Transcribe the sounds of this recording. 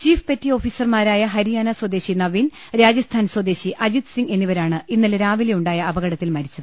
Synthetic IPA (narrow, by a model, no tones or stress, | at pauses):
t͡ɕiːfpɐtːio̞ːfiːsɐrmaːɾaːjɐɦɐɾijaːnɐswɐd̪e̞ːɕinɐʋinɾaːd͡ʑjɐst̪ʰaːnswɐd̪e̞ːɕiʔɐd͡ʑid̪siŋɡe̞nːiʋɐɾaːɳɨʔinːɐlɾaːʋilejuɳɖaːjɐɐbɐɣɐɽɐt̪ːilmɐɾit͡ɕːɐðɨ